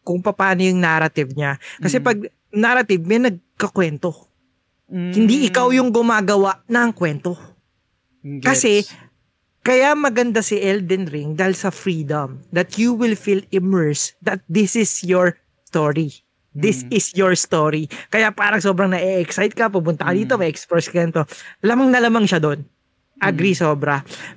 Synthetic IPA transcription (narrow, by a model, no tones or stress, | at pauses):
kʊŋpɐpaːnojʊŋnaɾɐt̪ɪvɲakɐsɛpɐɡ̚ | naɾɐt̪ɪvmɛnɐɡ̚kɐkwɛnt̪o | hɪnd̪iʔɪkawjʊŋɡʊmaːɡɐwaʔnɐːŋkwɛnt̪o | kɐsɛ | kɐjamɐɡɐnd̪asiʔɛld̪ɛnɾɪŋd̪aːhilsɐfɾiːd̪ɐmd̪ɐt̪juwɪlfilɪmɛɹsd̪ɐt̪̚d̪ɪsɪsjɔɹ | st̪oɹi | d̪ɪsɪsjɔɹst̪oɾikɐjapaːɾɐŋso̞ːbɾɐŋnɐʔɛʔɛksajt̪̚kɐpʊpʊnt̪ɐkɐd̪iːt̪omɐɛkspɛɹskɛnt̪olamɐŋnɐlamɐŋʃad̪o̞n | ʔɐɡɾisoːbɾɐ